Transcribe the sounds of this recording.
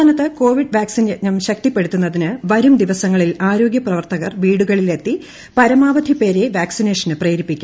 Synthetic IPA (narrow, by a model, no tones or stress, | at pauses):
aːnɐt̪ːɨko̞ːʋiɖʋaːksinenɐmɕɐk̚t̪ipːe̞ɽut̪ːunːɐðinɨʋɐɾumd̪iʋɐsɐŋːɐɭilaːɾo̞ːɡjɐprɐʋɐrt̪ɐɣɐrʋiːɽuɣɐɭile̞t̪ːi | pɐɾɐmaːʋɐd̪ʱipe̞ːɾeʋaːksine̞ːʂɐnɨpreːɾipːikʲːum